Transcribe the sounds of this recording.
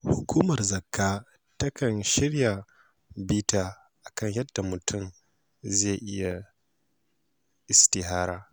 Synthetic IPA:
hʊ˨kʷuː˦mɐ˨rzɐ˨kːaː˦ | tɐ˦kɐ˨nʃɪ˦rja˨ | biː˦taː˦ | ʔa˨kɐ˦ɲjɐ˦d̥ːa˨mʊ˨tʰʊ˦˨m | ze˦˨ʔɪ˦ja˨ | ʔɪ˨stɪ˨ɦaː˦ɾaː˦

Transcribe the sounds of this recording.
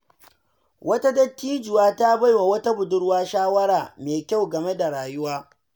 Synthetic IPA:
wɐ˦ta˦dɐ˦tʲːiː˦d͡ʒʊ˨waː˦ta˦ba˦jwa˨wɐ˦ta˦bʊ˨dʊ˦ɽwaː˦ʃaː˦wɐ˦ɽaː˨meː˨kʲa˦˨wɡɐ˨me˦da˨ɽaː˨jʊ˦waː˦

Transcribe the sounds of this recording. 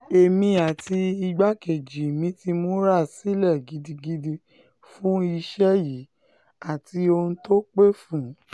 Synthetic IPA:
e˨mĩ˧a˨tʰi˧i˧ɡ͡ba˦ke˨d͡ʒi˨mĩ˨˦ti˧mo˦ɾa˦˨si˦lɛ˦˨ɡi˧di˧ɡi˧di˧ | fũ˦i˧ʃɛ˦ji˨˦ | a˨ti˧o˧n̩˦to˦k͡pe˦fũ˦˨˦

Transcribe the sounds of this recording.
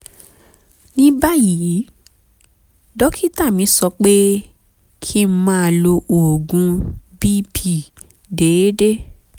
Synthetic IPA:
nĩ˦ba˦ji˨˦ | dɔ˦kʰi˦ta˦˨mĩ˨˦sɔ˧k͡pe˦ | kʰi˦mã˦˧˨lo˧ʔo˨ɡũ˧˦bi˦pʰi˦˨ | de˨˦de˦

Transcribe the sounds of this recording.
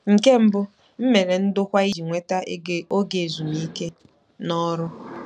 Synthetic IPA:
ŋ̩˨ke˦m̩˦bʊ˦ | m̩˦me˨ɾe˨n̩˦dʊ˦kʷa˦i˦d͡ʒi˨ŋʷe˦ta˦e˦e˨o˦ɡe˨zu˨mi˦ke˦ | nɔ˦ɾʊ˦

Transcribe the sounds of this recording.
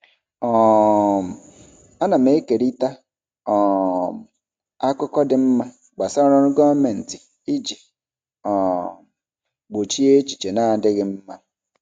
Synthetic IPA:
ɔ˨m̩˨ | a˦na˨m˦e˦ke˨ɾi˦ta˦ | ɔ˨m̩˨ | a˦kʷʊ˦kɔ˦dɪ˨m̩˦ma˦ | ɡ͡ba˨sa˦ɾɔ˦ɾʊ˦ɡɔ˦me˨n̩˨tɪ˨ | i˦d͡ʒi˨ | ɔ˨m˨ | ɡ͡bo˨t͡ʃi˦e˦t͡ʃi̥˨t͡ʃe˨na˦˨dɪ˦ɣɪ˦m̩˦ma˦

